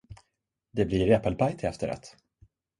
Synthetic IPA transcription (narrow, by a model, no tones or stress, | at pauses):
d̪ɛbliɾɛpəlpʰajt̪ʰɪɛft̪əɾa̰t̪